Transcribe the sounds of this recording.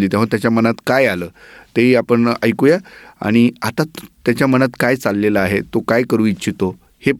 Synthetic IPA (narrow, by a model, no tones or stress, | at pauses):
liːt̪ɛ̃ʋ̤at̪jat͡ɕjamənat̪kajaləːt̪eɦiapəɳə̰jkujaa̰ɽ̃iat̪at̪jat͡ɕjamənat̪kajt͡salːeləaɦet̪okajkəɾuːitːɕʰit̪o | he